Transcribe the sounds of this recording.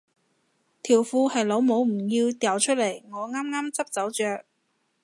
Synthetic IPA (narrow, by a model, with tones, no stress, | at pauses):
t̪ʰiː˨˩wfuː˧hɐ˨jlo˨˧wmo˨˥wm̩˨˩jiː˧wt̪jɐ˨˩wt͡ʃʰɵ˥t̚lɐ˨˩jŋɔː˨˧ŋaː˥mŋaː˥mt͡sɐ˥p̚t͡sɐ˨˥wt͡ʃœː˨k̚